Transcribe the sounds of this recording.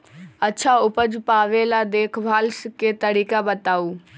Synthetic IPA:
ɐtːʃʰaʊpəd͡ʒpaːʋelad̪eːkʰbʱaːlsket̪ɐɾiːkabət̪aːuː

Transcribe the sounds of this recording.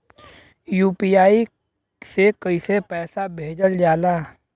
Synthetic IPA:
juːpiːaːi | sekəisepɛːsabʱeːd͡ʒəld͡ʒaːlaː

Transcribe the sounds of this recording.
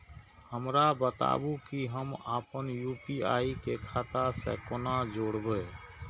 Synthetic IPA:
həmɾabət̪a̰bukiɦəmaːpənjupiaikekʰat̪asɛ̰konad͡ʒoɽbə

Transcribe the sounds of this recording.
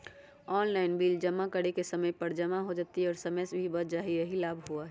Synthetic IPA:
ɔːnlaːɪnbiːld͡ʒəmːakəɽekesəməjpəɾd͡ʒəmaɦod͡ʒaːt̪iɔːɾsəməjsbʱibəɾd͡ʒaːɦijəɦilaːbʱɦuaɦɛ

